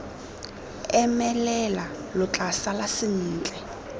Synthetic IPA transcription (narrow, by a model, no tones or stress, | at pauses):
ɛmɛlɛla | lʊt͡ɬʼasalasɪn̩ːt͡ɬʼɛ